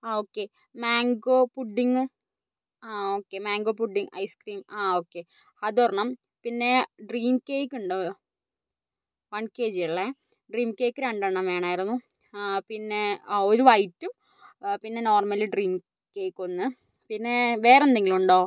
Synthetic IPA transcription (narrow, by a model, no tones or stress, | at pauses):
aoːkːe | maːŋɡoːpuɖːiŋːɨ | aoːkːe̞maːŋɡoːpuɖːiŋɐ̰jskriːmaːoːkːe̞ | ɐðɐrɐɳɐm | pinːe̞ɖriːmkeːjkːuɳɖɨ | ʋɐnkeːd͡ʑijɐɭːe | ɖriːmkeːkːɨɾeɳɖɐɳːɐmeːɳaːjiɾunːu | pinːe̞oɾuʋɐjtːum | pinːe̞no̞ːrmɐlɨɖriːm | keːkːo̞nːɨ | pinːe̞ʋe̞ːrend̪iŋːiɭuɳɖoː